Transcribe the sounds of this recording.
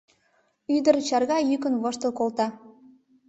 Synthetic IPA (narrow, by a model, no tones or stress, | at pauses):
yd̪ə̆rt͡ɕɑrɣɑjykə̆nβɤ̆ʃt̪ɤ̆kolt̪ɑ